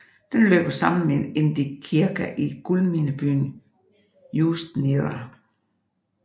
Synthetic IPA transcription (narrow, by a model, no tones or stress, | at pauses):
d̥enlø̰ːb̥ɐsɑ̈məmenend̥ikʰiɐɡ̥æʔiɡ̥ulminəb̥y̰ːn | juːsd̥niʁɑ